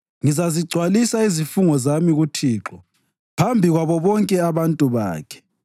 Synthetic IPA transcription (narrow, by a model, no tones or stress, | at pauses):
ŋizaziɡ͡ǀʱwalisaizifuŋɔzamiɣutʰiːǁɔ | pʰambʱiɣwaβɔβɔŋkʼɛaβantʼuβa̰ːkʰɛ̥